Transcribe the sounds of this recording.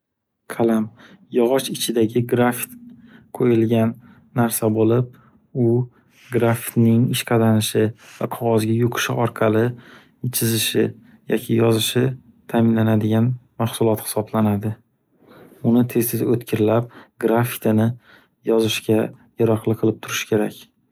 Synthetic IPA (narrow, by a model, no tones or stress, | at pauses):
kʰalam | jɒʁɒʃɪt͡ʃʰɪd̪aɡʲɪɡɾafi̥t̪qʰojɪlɡʲanː | aɾsabolɪp̚ | ʊ | ɡɾafi̥t̪nɪŋɪʃqʰɑd̪anɪʃɪvaqʰɒʁɒzɡʲajʊqʰɨ̥ʃɪʔɒɾqʰɑlɪ | t͡ʃʰɪzɪʃɪ | jʔɒ̰kʲʰɪjɒzɪʃɪ | t̪ʰamɪnlanad̪ɪɡʲanmaχsʊlˠɒt̪hɪ̥sɒblanad̪ɪ | ʊnɪt̪ʰe̞st̪ɪd̪aɵt̪kʲʰɪɾɪlap̚ɡɾafi̥t̪ɪnɪ | jɒzɪʃɡʲajaɾaqlˠɨqʰɨlˠɪp̚t̪ʰʊɾɪ̥ʃɪ̥kʲʰe̞ɾakʲ